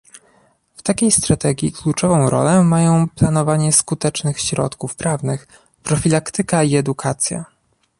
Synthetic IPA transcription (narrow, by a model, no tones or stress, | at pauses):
ft̪akʲejst̪ɾat̪ɛɡʲjiklut͡ʂɔvɔ̃w̃ɾɔ̰lɛmajɔ̃w̃plan̪ɔvaɲɛskut̪ɛt͡ʂnɘxɕɾɔ̰t̪kufpɾavnɘx | pɾɔfʲilakt̪ɘkaiɛd̪ukʰat̪sʲja̰